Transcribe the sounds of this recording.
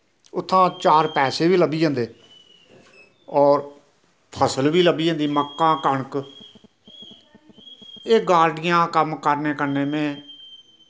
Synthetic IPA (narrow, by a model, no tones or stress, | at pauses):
ʊt̪ʰːãːt͡ʃaːɾpɛːseːʋiːləbiːd͡ʒãːnd̪eː | ɔːɾ | pʰəsəlʋiːləbiːd͡ʒãːnd̪iːməkːãːkəɳk | eːɡaːɾɖɪjãːkəmkəɾneːkəɾneːmɛ̃ː